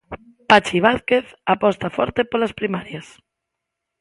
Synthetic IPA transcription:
pat͡ʃiβ̞aθkeθapɔst̪afɔ̰ɾt̪epolaspɾimaɾjas

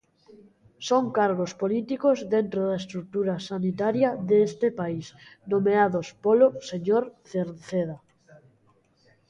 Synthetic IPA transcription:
soŋkaɾɣospolit̪ikozðent̪ɾoðaest̪ɾuk̚t̪uɾasanit̪aɾjaðest̪epaisnomeaðospoloseɲoɾθeɾθeða

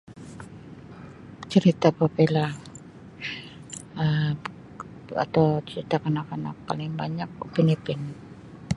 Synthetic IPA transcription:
t͡ʃəɾit̪apapela | ə | a̰t̪awt͡ʃəɾit̪akanakana̰k̚palɪaŋbaɲak̚pinipɪn

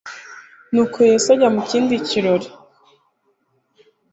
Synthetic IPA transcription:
nuːkʰojesaɟamuciːndiciɾoɾi

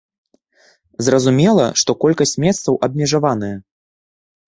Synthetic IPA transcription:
zrɐzumʲɛlˠɐ̰ʂt̪ɔkɔlʲkɐsʲt͡sʲmʲɛst̪sɐwʔɐbmʲɛʐavan̪ɨjɛ

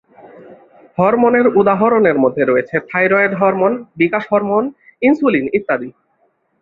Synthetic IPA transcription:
hɔɾmoneɾud̪aɦoɾoneɾmod̪ʱːeɾoet͡ɕʰepʰajɾɔed̪ɦɔɾmonbikaʃɦɔɾmoninsulinit̪ːad̪i

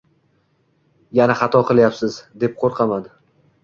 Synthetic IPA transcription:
janaχɑt̪ʰɒqʰɨlˠjapsɪzd̪e̞p̚qʰoɾqʰɑman

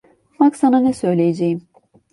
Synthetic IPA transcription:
faksananɛsø̞jlʲejed͡ʒejim

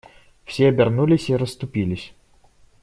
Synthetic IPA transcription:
fsʲeɐbʲɪrnulʲɪsʲiɾəst̪ʊpʲilʲɪsʲ

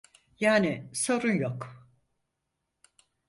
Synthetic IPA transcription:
jaːnɪso̞ɾunjok

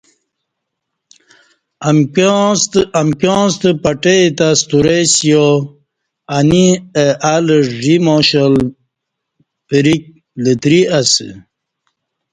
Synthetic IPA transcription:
samkõːst̪əpaʈet̪ast̪uɾesjo | anieʔaləʐimoɕəl | pəɾik̚ | lət̪ɾias

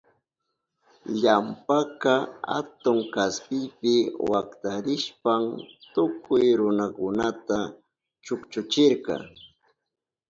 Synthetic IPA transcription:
ʎampakɑha̰t̪ʊŋkaspɪjpɪwakt̪aɾɪʃpamt̪ʊkʊjɾʊnakʊnat̪a | t͡ʃʊkt͡ʃʊt͡ʃɪɾkɑ̰

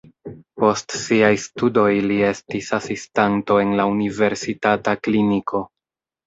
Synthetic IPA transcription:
po̞stsiajstudo̞jlie̞stisasistanto̞e̞nlaunive̞ɾsitataklinikʰo̞

